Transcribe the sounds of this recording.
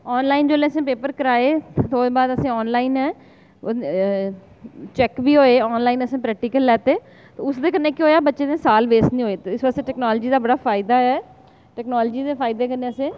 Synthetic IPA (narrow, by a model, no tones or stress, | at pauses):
ɔːnlaːind͡ʒoːlẽːəsẽːpeːpəɾkəɾaːeːt̪oːbaːd̪əsẽːɔːnlaːɪnɛː | t͡ʃɛkbiːɦoːeːɔːnlaːinəsẽːpɾɛːk̚ʈiːkəlːɛːt̪eː | t̪eːʊsd̪eːkənːẽːkɪɦoːjaːbətːʃeːd̪eːsaːlʋeːsnĩɦoːeːt̪eɪsʋəst̪eʈɛːknɔːld͡ʒiːd̪aːbəɽaːfʰaːɪd̪aːɛː | ʈɛːknɔːld͡ʒiːd̪eːfʰaːɪd̪eːkənːeːəsẽː